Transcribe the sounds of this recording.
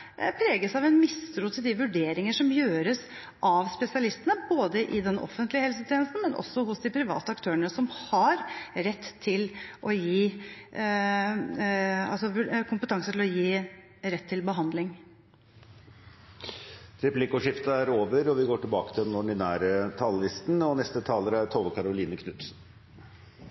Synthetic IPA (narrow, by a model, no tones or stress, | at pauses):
pʰɾeːɡəsɑʋɛnmɪst̪ɾuːt̪ʰɪld̪ɪʋʉɖeːɾɪŋəʂɔmjøːɾəs | ʔɑʋspɛsɪɑlɪst̪ənəboːd̪əʔɪd̪ɛnʔɔ̰fːənt̪lɪəhɛlsət̪ʰjɛːnəst̪n̩mɛnʔɔ̰sːɔɦʊsd̪ɪpʰɾɪʋɑ̰ːt̪əɑkt̪ʰøːəɳəsɔmhɑɾɾɛt̪ːʰɪlʔɔjiː | ɑ̰lsɔkʰʊmpət̪ʰɑŋsət̪ɪlɔjiː | ɾɛt̪ʰːɪlbəɦɑnd̪lɪŋ | ɾɛplɪkʊʂɪft̪əæɾoːʋəɾɔʋɪɡoːʈɪlbɑːkət̪ʰɪlɛnɔɖɪnæːɾət̪ʰɑːlːɪst̪nɔnɛst̪ət̪ʰɑːləɾæɾt̪ʰɔʋəkʰɑɾʊliːnəkʰnʉt̪sn